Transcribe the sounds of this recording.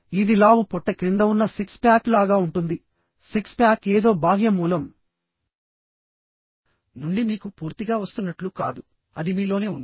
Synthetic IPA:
id̪ilaːʋupɔʈːɐkɾind̪ɐwunːɐsikspjaːklaːɡaːuɳʈund̪i | sikspaːkeːd̪o̞ːbʱaːɦijɐmuːlɐm | nuɳɖimiːkupuːɾt̪iɡaːʋɐst̪unːɐʈluka̰ːd̪u | ɐd̪imiːlo̞ːne̞ːund̪i

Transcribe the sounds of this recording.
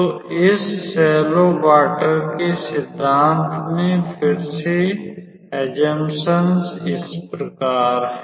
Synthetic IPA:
oɪsːɛːlobaːʈəɾkesɪd̪ʱːaːnt̪mẽpʰɪɾse | ɛd͡ʒəmsənsɪspɾəkaːɾ

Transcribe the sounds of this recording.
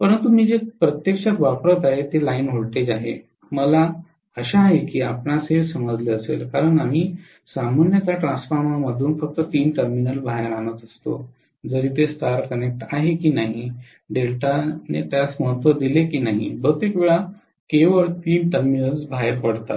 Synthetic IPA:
pəɾənt̪umiːd͡ʑepɾət̪jekɕakʋapɾət̪aɦet̪elainɦoɭʈed͡ʑaɦe | məla | əɕaːɦekiːapɳasesəməd͡zleəsḛlkaɾəɳam̤iː | samanjət̪aʈɾãnsfaɾmaməd̪ʱuːnfək̚t̪ət̪iːɳʈəɾminəlbʱaɦeɾañət̪əst̪o̰ | d͡zəɾiːt̪est̪aɾkənek̚ʈ̪aɦekiːnaɦi | ɖelʈanḛt̪jat͡sməɦət̪ʋəd̪ilekiːnaɦḭbət̪ekʋeɭa | keʋəɭt̪iːɳʈəɾminəlsbʱaɦeɾpəɽt̪at̪

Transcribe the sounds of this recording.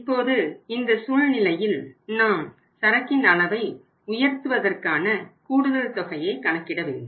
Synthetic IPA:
ɪpːoːðɯɪnd̪ɐsuɻnɪlɐjɪlnaːm | sɐɾɐkːɪnɐɭɐʋɐɪ | ʊjɐɾt̪ɯʋɐðɐrkaːnɐkuːɽɯðɐlt̪ɔɣɐjɐɪkɐɳɐkːɪɽɐʋɪð

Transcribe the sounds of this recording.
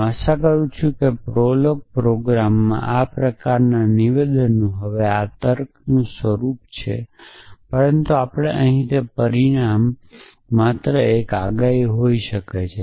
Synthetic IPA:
əʃakəɾũt͡ʃʰũkepɾoloɡ̚pɾoɡɾamːã̰ʔapɾəkaɾnaniʋed̪ənːũɦəʋeat̪əɾknũsʋəɾupt͡ʃʰḛpəɾənt̪uapɽ̃eʔəɦĩt̪epəɾiɽ̃amː | at̪ɾəeka̰ɡaiɦoiʃəket͡ʃʰe

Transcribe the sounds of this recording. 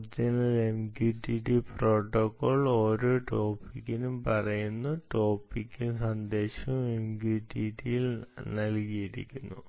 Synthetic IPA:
d͡ʑinɐlemɡjuʈiʈipro̞ːʈːokːoːɭoːɾoːʈo̞ːpikːinumpɐrɐjunːuʈo̞ːpːikʲːinsɐnd̪e̞ːɕɐmemɡuʈːiʈːijilnɐlkijiɾḭkʲːunːṵ

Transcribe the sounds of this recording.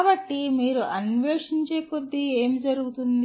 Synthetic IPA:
bɐʈːimiːɾuʔɐnʋeːʂiɲt͡ʃeːkod̪ːieːmd͡ʒɐɾuɡut̪und̪i

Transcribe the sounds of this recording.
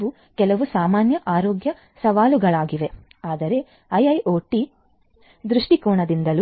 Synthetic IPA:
u | kɛlɐʋusaːmaːnjɐʔaːɾoːɡjɐ | sɐʋaːluɡɐɭaːɡiʋe̞ | aːd̪ɐɾe̞ | ɐjɐjʔoːʈi | d̪ɾuʂʈikuːɳɐd̪ind̪ɐlu

